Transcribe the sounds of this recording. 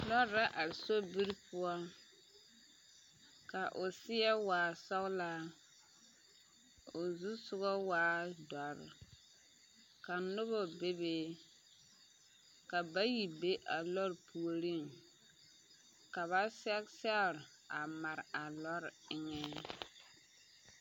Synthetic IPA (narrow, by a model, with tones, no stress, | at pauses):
lɔ˦ɾːa˦ʔa˨ɾso˦bi˦ɾpʊ˦ɔ˦ | ka˨ʔʊ˨sɪ˦ɛ˦waː˨sɔ˦ɣla˦ | o˨zu˦sʊ˦ɣɔ˦waː˦dɔ˨ɾɪ̰˨ | ka˨nʊ˦βɔ˨be˦beː˦ | ka˨ba˦ji˨be˦ʔa˨lɔ˦ɾpʰu˨o˨ɾi˦˨ŋ | ka˨βa˦sɛ˦ksɛ˦˨ɾ | a˨ma˨ɾa˨lɔ˦ɾɪ˦ŋɛ˦